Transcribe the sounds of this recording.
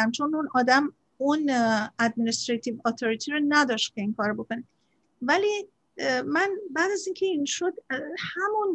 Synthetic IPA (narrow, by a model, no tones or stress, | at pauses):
æmt͡ʃʰonunɒːd̪æm | unæd̪̚minist̪ɾet̪ʰivɔːt̪ʰoɾit̪ʰiɾonæd̪ɒːʃt̪̚kʰʲe̞inkʰɒːɾobo̞kone | væli | mænbæːd̪æziːŋcʰe̞inʃod̪hæmun